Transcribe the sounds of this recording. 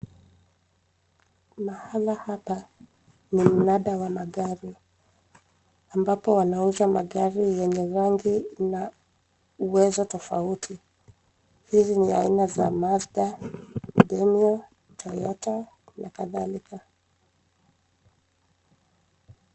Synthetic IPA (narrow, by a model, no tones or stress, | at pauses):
mahalahapa | nim̩naɗawamaɠaɾi | ambapɔwanauzamaɠaɾijɛɲɛɾaŋɡina | uwɛzɔtɔfautʰi | hiziniainaza̰mazɡa | ɗɛmiɔ | tʰɔjɔta | nakaðalika